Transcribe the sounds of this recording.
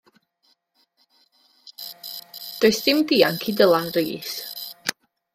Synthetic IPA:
d̥ɔjsd̥ɪmdiːaŋkʰidəlˠanriːs

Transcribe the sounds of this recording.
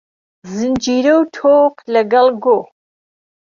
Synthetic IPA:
zɨnd͡ʒiɾəwt̪ʰoːqləɡɐlɡo

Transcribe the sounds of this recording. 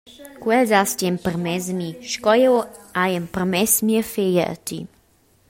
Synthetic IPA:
kwɛzast̪jɛmpərmɛzmiʃkɔjɛwajəmpərmɛsmiəfejə̰ə̰t̪ḭ

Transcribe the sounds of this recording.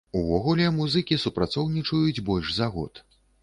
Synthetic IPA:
uvɔɣulʲɛmuzɨkʲisupɾat̪sɔwnʲit͡ʂujud͡zʲbɔlʲʂzaɣɔ̰t̪

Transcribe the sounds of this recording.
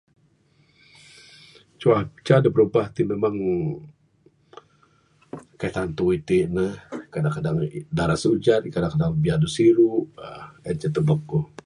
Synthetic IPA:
t͡ʃuat͡ʃadəpəɾubaht̪imemaŋ | kajt̪ant̪uit̪iʔnəhkadaŋkadaŋdaɾasud͡ʒat̪̚kadaŋkadaŋbiadusiɾuʔɛnt͡ʃət̪ubəku

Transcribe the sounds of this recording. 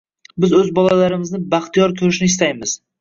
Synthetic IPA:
bɪzɵzbɒlalaɾɪmɪznɪbaχt̪ijɒɾt̪ʰʊɾɪʃnɪɪst̪ajmɪz̥

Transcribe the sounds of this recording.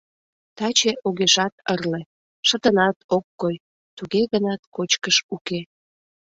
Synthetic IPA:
t̪ɑt͡ɕeʔoɣeʃɑt̪ərle | ʃət̪ənɑt̪okːoj | t̪uɣeɣənɑt̪kot͡ɕkəʃuke

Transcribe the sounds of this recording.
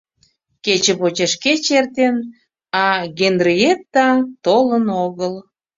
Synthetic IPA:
ket͡ɕepot͡ɕeʃket͡ɕert̪en | ɑɣend̪riet̪ːɑt̪olənoɣəl

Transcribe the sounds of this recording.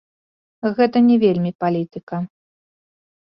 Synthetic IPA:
ɣɛt̪ɐnʲɛvʲelʲmʲipalʲit̪ɨkɐ

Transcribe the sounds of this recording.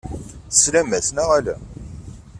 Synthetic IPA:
slæmæsnæʁælæ̰

